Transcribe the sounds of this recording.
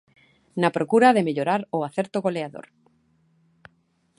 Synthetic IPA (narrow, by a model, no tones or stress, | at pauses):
napɾokuɾaðemeʎoɾaɾʊaθɛɾt̪oɣoleaðo̰ɾ